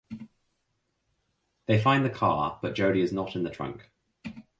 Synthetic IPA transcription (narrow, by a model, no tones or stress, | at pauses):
ðeɪfãɪ̃nðəkʰɑ̰ːb̥ʌʔ̚d̥ʒ̥əʊɾiɪznətɪ̃nðətʰɹ̥ʌ̰̃ŋk